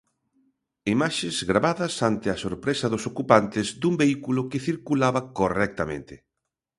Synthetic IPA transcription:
imaʃɪzɣɾaβaðɐsant̪ɪɐsoɾpɾesɐðʊsokupant̪ɪzd̪umbeikulokɪθiɾkulaβɐkorɛk̚t̪amḛ̃nt̪ɪ

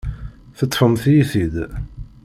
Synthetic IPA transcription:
θət̪ˤːfəmθjiθid̪

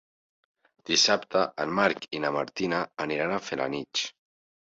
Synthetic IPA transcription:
d̪̥isapt̪əʔənmaɾkinamaɾt̪inaːniɾanafela̰nit͡ʃ

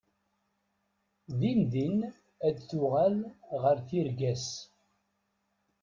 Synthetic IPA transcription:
ðinðin | æd̪θʊʁælʁəɾθiɾɡæs

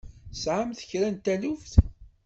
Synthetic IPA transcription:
sʕamθə̥çɾænt̪æluvθ

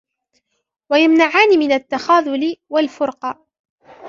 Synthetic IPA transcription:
wajamnaʕaːnɪmɪnat̪ːaxaːðˤʊlɪwalfʊɾqɑ

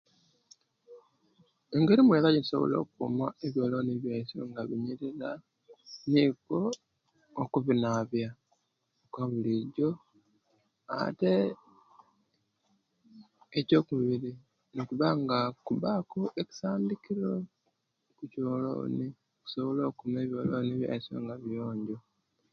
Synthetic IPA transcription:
eŋɡe̞ɾimweðaɟiniso̞̰βo̞̰lo̞̰ːkumaeβjo̞ːlo̞ːniβjeːsoŋɡaβiɲiɾiɾa | nikoː | kuβinaβja | okaβuliɟo | a̰te̞ | co̞ːkuβiɾi | nikuβaŋɡakuβakoʔeci̥saːndikiɾo | kucolo̰ːni | oku̥soβoloːkumeːβjolo̰niβja̰so̰ŋɡaβjoːɲɟo̞

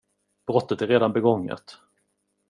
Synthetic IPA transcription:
b̥ɾɔt̪ːət̪æɾeːd̪anbɛɡɔŋːa̰t̪

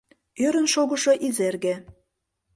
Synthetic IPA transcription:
øɾə̆nʃoɣɤ̆ʃoʔizerɣe

